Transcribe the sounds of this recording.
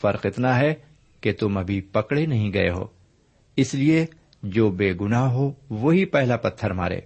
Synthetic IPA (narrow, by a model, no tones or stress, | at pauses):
fɐɾqɪt̪naɦɛ | ket̪ʊmɐbʱipɐkɽenɐɦĩɡɐḛɦo̰ː | ɪslie | d͡ʒoːbeːɡʊnaːɦɦoʋoːɦipɛɦlapɐt̪ʰːəɾma̰ːɾḛː